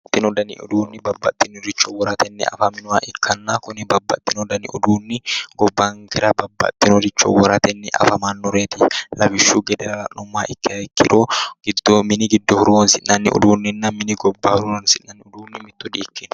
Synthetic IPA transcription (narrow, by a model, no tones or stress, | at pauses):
t̪ːɪnɔd̪ɐnɪ̰ʔʊ̰d̪uːnːɪbɐbːɐt̪ːɪnɔɾɪt͡ʃːɔwɔɾɐt̪ɛnːɛ̰ɐ̰fɐmɪnʊmaːʔɪkʰːɐnːaːkʊnɪbɐbːɐ̰t̪ːɪnɔd̪ɐnɪʔʊ̰d̪uːnːɪɡ̥ɔbːaŋɡɪɾɐbɐbːɐ̰t̪ːɪnɔɾɪt͡ʃːɔ̰wɔɾɐt̪ɛnːɪʔɐ̰fɐmanːʊɾeːt̪ɪlɐbɪʃːuːɡɛd̪ɛɾɐlɐnʊmːaːʔɪkːɪkːɪ̰ᶑoɡ̥ɪd̪ːoːmɪnɪɡɪd̪ːɔhʊɾuwɐnsɪʔnɐnːɪ̰ʔʊ̰d̪uːnːɪnːɐmɪnɪɡɔbːɐhʊɾuɾɐnsɪʔnɐnːɪʊd̪uːnːɪmɪt̪ːɔᶑ̪iːkːɪn